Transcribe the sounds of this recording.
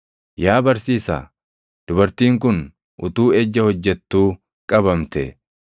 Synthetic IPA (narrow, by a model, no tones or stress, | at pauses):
jaːbɐɾsiːsa̰ː | d̪̥ʊbɐɾt̪iːŋkʊn | ʔʊt̪uːɛd͡ʒːɐhɔd͡ʒːɛt̪ːuː | kʼɐβɐmt̪ɛ